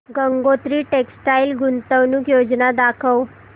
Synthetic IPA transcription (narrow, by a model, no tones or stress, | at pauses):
ɡəŋɡot̪ɾiːʈeksʈajlɡunt̪əʋnukjod͡ʑnad̪akʰəw